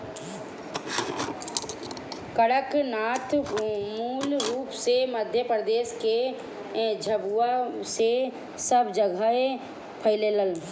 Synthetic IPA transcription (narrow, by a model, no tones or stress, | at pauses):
kəɽəknaːt̪muːlɾuːpseməd̪ʱjəpɾəd̪eːske | d͡ʒʱəbuase | səbd͡ʒəɡʱəe | pʰəɪleləl